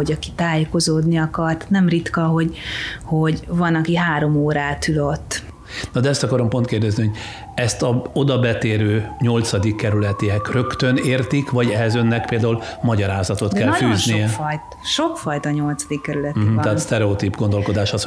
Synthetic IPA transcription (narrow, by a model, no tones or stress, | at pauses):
oɟɒkit̪aːjeko̞zoːd̪niɒkɒrt̪nɛmrit̪kɒɦo̞ɟho̞ɟvɒnɒkiɦaːɾo̞moːɾaːt̪yløt̪ː | nɒd̪ɛɛst̪ɒkɒɾo̞mpont̪keːrd̪ɛzniho̞ɟ | ɛst̪ɒo̞d̪ɒbɛt̪eːɾøːɲo̞lt̪sɒd̪ikːɛɾylɛt̪eɛkrø̞kt̪øneːrt̪ikvɒɟɛɦɛzønːɛk̚peːld̪aːulmɒɟɒɾaːzɒt̪o̞t̪kɛnlɒfyːnzʃnijɛfjt̪ | ʃo̞kfɒjt̪ɒɲo̞lt̪sɒd̪ikːɛɾylɛt̪̩iɛɦːt̪st̪ɛɾɛot̪ibɡo̞nd̪o̞lko̞d̪aːʃɒs